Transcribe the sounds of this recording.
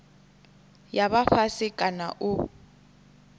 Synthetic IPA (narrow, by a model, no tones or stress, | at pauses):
jaβafasɪkʼanaʔʊ